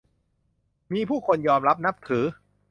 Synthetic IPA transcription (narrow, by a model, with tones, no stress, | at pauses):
miː˧pʰuː˥˩kʰo˧njɔː˧mɾa˦˥p̚na˦˥p̚t̪ʰɯː˩˦